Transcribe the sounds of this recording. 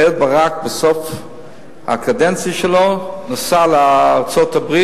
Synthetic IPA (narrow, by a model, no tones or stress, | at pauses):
el̚baʁakbeso̞f | ha̰kadent͡sjaʃelo̞nosaleaːʁt͡so̞t̪abʁi